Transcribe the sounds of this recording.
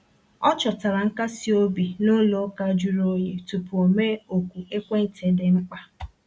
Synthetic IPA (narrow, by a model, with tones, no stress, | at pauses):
ɔ˦t͡ʃɔ˨ta˨ɾa˨ŋ̩˦ka˦si˦o˦bi˨no˦lo˨˦ka˦d͡ʒu˦ɾo˦je˨tu˨pu˨o˨me˦o˨kʷu˨ʔe˦kʷe˦n̩˨tʰe˨dɪ˨ŋ͡m̩˦k͡pa˦